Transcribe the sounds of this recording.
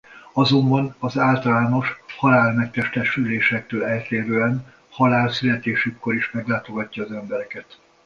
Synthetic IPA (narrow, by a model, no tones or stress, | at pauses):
ɒzo̞mbɒnɒzaːlt̪ɒlaːno̞ʃhɒlaːlmɛk̚t̪ɛʃt̪ɛʃyleːʃɛk̚t̪øːlɛlt̪eːɾøːɛn | hɒlaːlsylɛt̪eːʃykːo̞ɾiʃmɛɡlaːt̪o̞ɡɒcːɒːzɛmbɛɾɛkɛt̪